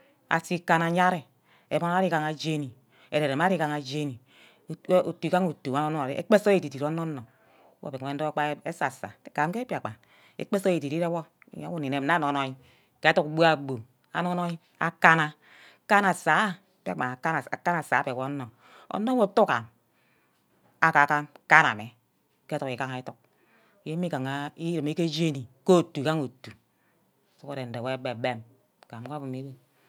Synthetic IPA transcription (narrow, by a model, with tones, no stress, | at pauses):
a̰˨si˦ka˦na˨˦ɲa˦ɾi˨ | e˨bo˦n˦a˦ɾi˦ka˨ŋa˨d͡ʒe˦ni˨ | ḛ˨ɾe˨ɾe˨ma˦ɾi˦ka˨ŋa˨d͡ʒe˦ni˨˦ | o˨tu˨ka˦ŋo˨tu˨a˦no˦no˦˨ɾḭ˦ʔḛ˦k͡pe˦so˦e˨i˨di˨ɾo˦no˦nːo˨˦ | wo̰˦˨be˨e˦n˦do˦k͡pa˦e˦sa˨sa̰˨e˨ka˨mke˦pi˦a˨k͡pa˨ | ḛ˦k͡pe˦so˦je˨di˨di˦ɾe˦wɔ̰˦˨ | ɲa̰˦wo˦ni˨ne˨mna˦˨n˨o˨no˨i˦ | ke˨˦tu˦kɡ͡bu˦a˨ɡ͡bo˨ | a̰˨no˦no˦i˦ | a̰˦ka˦na˦ | ka˦na˨sa˨˦ | pe˦a˨a˦n˨ka˦na˨sa˨˦pe˨wo˦nːo˨ | o̰˦nːo˦wo˦tu˦ka̰˨n | a˨ka˨ka˦nka˦na̰˨me˨ | ke˦u˨ki˨ka˦ŋa˨i˦tu˨k̚ | je˦mi˦ka˨ŋa˨i˦ɾi˨me˦ke˦d͡ʒe˦ni˨ko˦˨tːu˨ka˦ŋo˨tːu˨ | su˦ko˦ɾe˨n̩˨de˨we˦be˨be˦˨m | ka˨m˨ka˦bu˨me˨˦we˦